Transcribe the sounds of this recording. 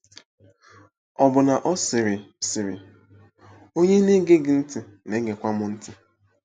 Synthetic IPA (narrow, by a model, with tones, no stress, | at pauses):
ɔ˨bʊ˨na˨ʔɔ˦sɪ˨ɾɪ˨sɪ˨ɾɪ̰˨ | o˦ɲe˦ne˦ɡe˦ɡɪ˨n̩˦tɪ˨ | ne˨˦ɡe˨kʷa˦mʊ˦n̩˦tʰɪ˨